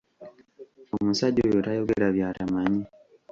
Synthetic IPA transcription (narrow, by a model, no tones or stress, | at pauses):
omusaɟojotajo̞ɡeɾaβjaːɾamaɲi